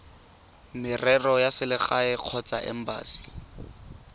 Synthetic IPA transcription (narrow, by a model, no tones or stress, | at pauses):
mɪrɛrɔjasɪlɪχaɪq͡χʰɔt͡saʔɛ̰m̩ba̰ːsi̥